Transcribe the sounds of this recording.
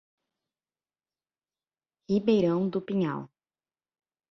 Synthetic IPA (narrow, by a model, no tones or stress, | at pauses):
hibejɾɐ̃w̃d̪ʊpĩɲa̰w